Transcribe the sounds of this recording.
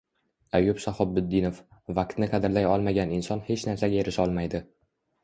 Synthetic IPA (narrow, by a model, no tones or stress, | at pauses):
ajʊpsahɒb̚ːʊd̪ːinofvak̚t̪nɪqʰɑd̪ɪɾlajɒlˠmaɡʲanɪnsɒnhe̞t͡ʃnaɾsaɡʲaeɾɪʃɒlˠmajd̪ɪ